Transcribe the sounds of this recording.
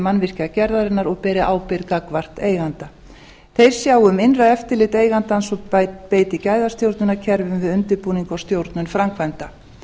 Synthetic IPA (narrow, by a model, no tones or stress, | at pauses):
manːvɪr̥cɪacɛɾðaɾɪnːaɾɔɣpɛːɾɪʔaːwpɪɾkakvar̥t̪eːjɣant̪a | θejɾ̥sjaːwʏmɪnraɛft̪ɪɾlɪt̪eːjɣant̪ansɔpeːjt̪ɪcaːjðast̪jowɾt̪nʏnacʰɛɾvʏmvɪðʏnt̪ʏɾpuːniŋkɔwst̪jowɾt̪nʏnfɾamkʰvajnt̪a